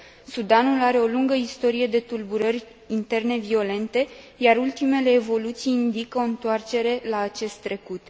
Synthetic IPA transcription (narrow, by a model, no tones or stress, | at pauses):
sud̪anulaɾe̞o̞luŋɡəist̪o̞ɾije̞d̪e̞t̪ulbuɾərʲ | int̪e̞rne̞vio̞le̞nt̪e̞ | jaɾult̪ime̞le̞ːvo̞lut̪sijind̪ikəoɨnt̪oart͡ʃe̞ɾe̞laːt͡ʃe̞st̪ːɾe̞kut̪